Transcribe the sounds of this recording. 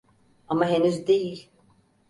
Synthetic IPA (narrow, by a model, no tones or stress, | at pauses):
amaɦe̞nyzd̪e̞jilʲ